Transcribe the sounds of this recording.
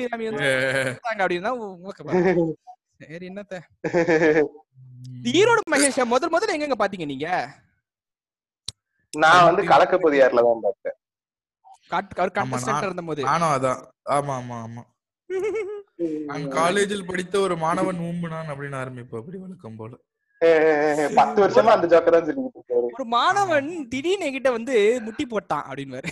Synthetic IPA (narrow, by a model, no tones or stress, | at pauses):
iɾaːmiɾɯnd̪t̪ːaːŋɡɐpɐɽɪnnãːɐkːepa | sɐɾiɛnːɐt̪ːeː | iːɾoːɽɯmɐɣeɾʂɐmɔðɐlmɔðɐlɛŋɡɛŋɡɐpaːɾt̪iːŋɡɐniːŋɡɐ | nãːʋɐnd̪ɯkɐɭɐkːɐpoːðɪjaːɾlɐt̪ãːpaːɾkẽː | kaʈɐʋɐɾɯkɐmasɐɪɾɐɯnd̪ɐmoːðɯaːnãɐðãː | aːmaːmaːmaː | ɐnkaːleːd͡ʒɪlpɐɽɪt̪ːɐɔɾɯmaːnɐʋɐnuːmbɯnaːnɐpːɐɽɪnaːɾɐmbɪpːɯɐpːɐɽiʋɐɭɐkːɯmpoːlɐ | epɐt̪ːɯʋɐɾɪʂɐmãːɐnd̪ɐd͡ʒoːkːɐɾansɔlːɪkːɪʈːɾɔɾɯmaːnɐʋɐnt̪ɪɽineːkɪʈːɐʋɐnd̪ɯmʊʈːip̬oːʈːã̰ːʔɐ̰pːɐɽɪnʋaːɾɯ